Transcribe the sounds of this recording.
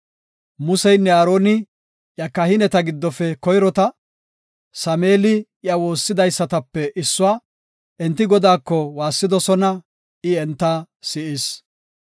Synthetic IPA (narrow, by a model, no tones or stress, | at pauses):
mʊsɛjnːɛaːɾo̞ːnɪ | ʔjɐkɐhɪnɛt̪ɐɡɪd̪ːɔfɛkɔjɾɔt̪ɐ | sɐmeːlɪ | jɐwo̞ːsːɪd̪ɐjsːɐt̪ɐpːɛʔɪsːʊaː | ʔɛnt̪ːɪɡɔd̪aːkːɔwaːsːɪd̪ɔsɔnɐ | ɪɛnt̪ːaː | sɪʔɪs